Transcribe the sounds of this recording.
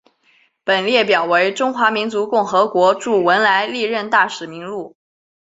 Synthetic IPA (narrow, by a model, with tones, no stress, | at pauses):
pə˨˩nljɛ˥˩pjɑ˨˩ʊwe˧˥ɪʈ͡ʂʊ˥ŋxwa˧˥mi˧˥nt͡su˧˥kʊ˥˩ŋxɤ˧˥kwɔ˧˥ʈ͡ʂu˥˩wə˧˥nla˧˥ɪli˥˧ɻə˥˧nt̪a˥˩ʂɻ̩˨˩mi˧˥ŋlu˥˩